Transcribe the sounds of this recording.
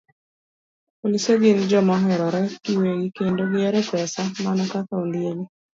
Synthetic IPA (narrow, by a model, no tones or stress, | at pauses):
poliseɡɪnd͡ʒɔmaɦɛɾɔɾakiweɡɪkendoɡɪɛɾɛpɛsamanɔkakaundjeli